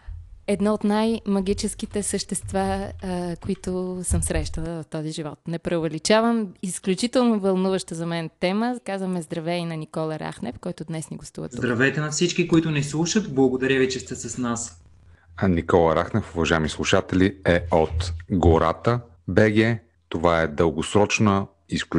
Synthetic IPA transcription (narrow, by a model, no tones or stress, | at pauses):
ɛd̪nɔot̪najmɐɡ̟it͡ʃɛskit̪ɛsəʃt̪ɛst̪vakoit̪ʊsəmsɾɛʃt̪əlˠəvɐft̪ɔziʒivɔt̪nɛpɾɛʊvɛlit͡ʃavəmisklʲut͡ʃit̪ɛlˠnovɐlˠnuvəʃt̪əzɐmɛnt̪ɛməkazvəmɛzd̪ɾɐvɛinɐnikɔlˠəɾa̰xnɛ̰fkɔjt̪ʊd̪nɛsniɡost̪ṵvə̰t̪zd̪ɾɐvɛt̪ɛnɐfsit͡ʃkikoit̪ʊnɛslˠuʃət̪blˠɐɡod̪ɐɾʲəvit͡ʃɛst̪ɛsɐsnas | nikɔlˠəɾaxnɛfʊvɐʒaɛmislˠuʃat̪ɛlʲiɛot̪ɡoɾat̪ə | bɛɡɛ | t̪ovaɛd̪əlˠɡosɾɔt͡ʃnə | iskʲ